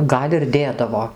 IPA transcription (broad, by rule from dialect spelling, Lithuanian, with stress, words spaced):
ˈɡɐlʲ ɪr ˈdʲeːdɐʋoː